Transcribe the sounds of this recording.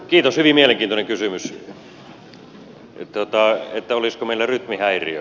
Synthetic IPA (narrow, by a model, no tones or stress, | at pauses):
kiːt̪oshyʋimieleŋkiːt̪oneŋkysymys | t̪ot̪ɑet̪ːæoliskomeˑilːæryt̪mihæiriø